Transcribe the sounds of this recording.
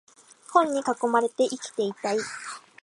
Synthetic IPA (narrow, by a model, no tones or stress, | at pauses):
hõ̞ɲ̟ːikako̞maɾe̞t̪e̞ʔikʲi̥t̪e̞it̪ai